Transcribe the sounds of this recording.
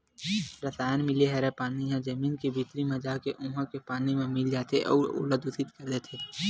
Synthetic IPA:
ɾəsaːjənmɪleɦɛɾepaːniɦãd͡ʒəmiːnkibʱit̪ɾimẽd͡ʒaːkeʔũːɦãkepaːnimẽmɪld͡ʒaːt̪ʰeʔɔ̰ːʊ̰ləd̪ʊsɪt̪kɐɾd̪eːt̪ʰeː

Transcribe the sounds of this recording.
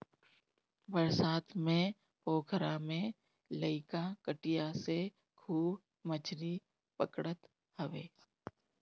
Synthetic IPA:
bəɾsaːt̪ʰmẽ | poːkʰəɾamẽ | ləɪkakəʈɪjase | kʰuːb | mət͡ʃʰɾi | pəkɽət̪ | həʋḛː

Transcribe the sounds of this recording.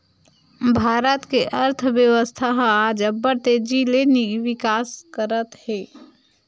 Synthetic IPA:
bʱaːɾət̪keʔəɾt̪ʰbjəwəst̪ʰaɦad͡ʒəbːəɾt̪ed͡ʒileniʋikaskəɾət̪ɦe

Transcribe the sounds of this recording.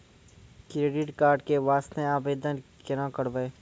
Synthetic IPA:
kɾeːɖɪʈkaːɾɖkeʋaːst̪ẽaːbeːd̪ənkɪɾãːkəɽbeː

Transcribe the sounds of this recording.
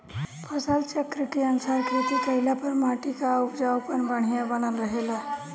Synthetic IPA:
pʰəsalt͡ʃəkɾiʈeənsaɾkʰɾit̪ikəɪlapəɾmaʈikaupd͡ʒapənbəɽ̤ijabənəlɾəɦela

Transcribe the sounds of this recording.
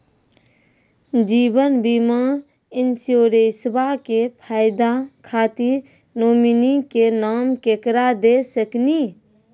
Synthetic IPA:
d͡ʒibənbima | insioɾesbakepʰaɪd̪akʰat̪iɾ | noːminikenaːmkekɾad̪esəkni

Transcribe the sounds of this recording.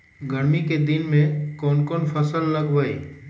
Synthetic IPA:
ɡəɽmiked̪ɪnmẽkɔːnkɔːnpʰɐsəlːɐɡʋəḛː

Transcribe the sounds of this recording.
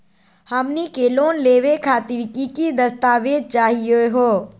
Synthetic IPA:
həmnikeːloːnleːʋekʰaːt̪iɾkikid̪əst̪aːʋeːd̪̚t͡ʃaːɦijeɦoː

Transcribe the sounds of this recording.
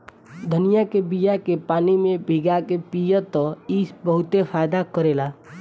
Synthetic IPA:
d̪ʱənijakebijakepaːnimẽbʱiɡakepijət̪ɔisbəɦʊt̪efʰaːjd̪akəɾeːlaː

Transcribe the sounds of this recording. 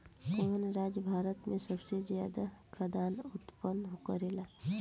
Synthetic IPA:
koːnɾaːd͡ʒjəbʱaːɾət̪mẽsəbsezjaːd̪akʰəd̪aːnʊt̪pənːɦokəɾeːlaː

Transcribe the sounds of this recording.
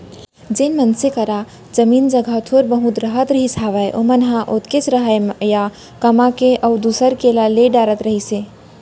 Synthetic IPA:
d͡ʒenmənsekəɾa | d͡ʒəmind͡ʒəɡʱət̪ʰoɾbəɦũt̪ɾəɦət̪ɾəɦisaʋəjʔomənɦãʔot̪kesɾəɦəjja | kəmakeʔəwd̪usəɾkelaleɖaɾət̪ɾəɦise

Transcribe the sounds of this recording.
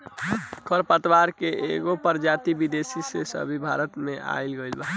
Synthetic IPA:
kʰəɾpət̪ʋaɾkeʔḛɡopəɾd͡ʒat̪ibid̪esisesə̰bʱibʱaɾət̪meʔa̰ilɡəilba

